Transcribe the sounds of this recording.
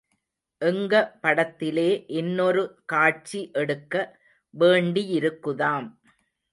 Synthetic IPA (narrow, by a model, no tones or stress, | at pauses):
ʔɛŋɡɐpɐɽɐt̪ːɪleːʔɛnːɔɾɯkaːʈ̚t͡ʃiʔɛɽɯkːɐ | ʋeːɳɖijɪɾɯkːɯðaːm